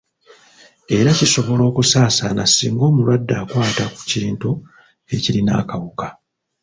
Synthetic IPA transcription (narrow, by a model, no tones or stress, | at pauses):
e̞ɾaciso̞βo̞lo̞ːkusaːsanasiːŋɡo̞ːmulwadːaːkwaːtaku̥ciːntu | e̞cilina̰ːkawuka